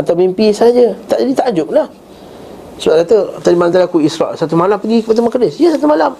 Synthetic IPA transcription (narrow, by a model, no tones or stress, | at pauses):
at̪awmimpisad͡ʒət̪aʔd͡ʒadit̪aʔd͡ʒʊp̚lah | subakat̪ət̪adimalamt̪aliakuisɾa̰ʔsat̪umalampəɡikəpadaməkdɪsiəsat̪umalam